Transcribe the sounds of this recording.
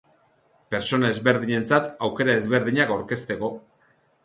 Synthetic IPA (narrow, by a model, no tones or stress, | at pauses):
pe̞ɾt͡so̞nae̞zβe̞ɾðiɲe̞nt͡sat̪awke̞ɾae̞zβe̞ɾðiɲakawɾke̞st̪e̞ko̞